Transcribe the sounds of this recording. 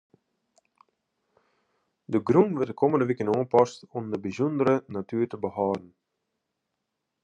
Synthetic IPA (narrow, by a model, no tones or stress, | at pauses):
d̪əɡɾuŋʋɛd̪əkʰɔmənd̪əʋikənɔːnpɑst̪ɔmd̪əbəzund̪əɾənat̪yːɾt̪əbəhɑːɾən̩